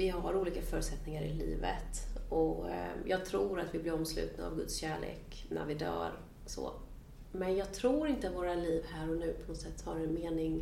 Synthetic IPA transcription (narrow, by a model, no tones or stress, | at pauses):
vɪɦaaɾuːliːkafœːɾt̪sɛt̪nɪŋaɾɪ̰lḭːvə̰t̪ɔjɑːɡ̚t̪ʰɾuːɾat̪vɪblɪɾɔmslʉ̟ːt̪na̰ːvɡɵ̰t̪sɕæːɭḛːknæ̰ɾvɪd̪œ̰ːɾ | so̰ | mɛnjɑːɡ̚t̪ʰɾuːɾɪnt̪əavoːɾaliːvhæːɾɔnʉ̟ːpʰɔnɔt̪sɛt̪ːhaɾɛnmeːnɪŋ